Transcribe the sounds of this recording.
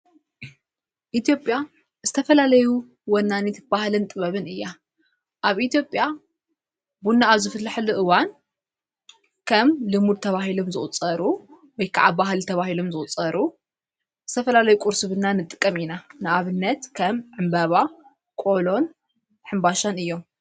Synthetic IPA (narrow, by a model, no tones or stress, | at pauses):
ʔit̪ʰjo̞pʼja | zɨt̪ʰɐfɐlalɐju | wɐnːanit̪bahlɨnt̪ʼɨβɐβɨnɨjːa | ʔaβʔit̪jo̞pʼja | bunːaːβzɨfɨlːaħɨluʔɨwan | kʰɐmlɨmud̪̚t̪ʰɐβaɦilomzɨχʼut͡sʼɐɾu | wɔjkʰaʕabaɦɨlt̪ʰɐβahilomzɨχʼut͡sʼːɐɾu | zɨt̪ʰɐfɐlalɐjukʼuɾsɨβɨnːanɨt̪ʼɨ̥kʼːɐminanɨaβɨnːɐt̪kʰɐmʕɨmbɐβa | kʼo̞lo̞n | ħɨmbaʃanɨjːo̞m